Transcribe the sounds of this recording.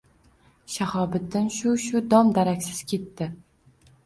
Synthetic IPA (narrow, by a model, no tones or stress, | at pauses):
ʃahɒbɪt̪ːanʃʊʃʊd̪ɒmd̪aɾakʲsɪz̥kʲʰe̞t̪ːɪ